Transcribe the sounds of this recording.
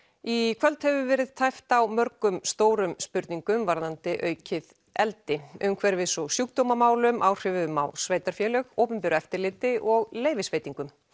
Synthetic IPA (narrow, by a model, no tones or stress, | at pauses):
ikʰvœlt̪hɛvʏvɛːɾɪðt̪ʰajft̪awmœɾkʏmst̪oːwɾʏmspʏɾt̪niŋkʏmvaɾðant̪ɪʔœːɥcʰɪð | ɛlt̪ɪʏmkʰvɛɾvɪðsɔsjuk̚t̪owmamaːwlʏmʔawr̥ɪvðʏma̰wsveːjt̪aɾ̥fjɛlœɣowpʏmpɪɾʏɛft̪ɪɾlɪːt̪ɪʔɔɣleːjvɪsveːjt̪iŋkʏm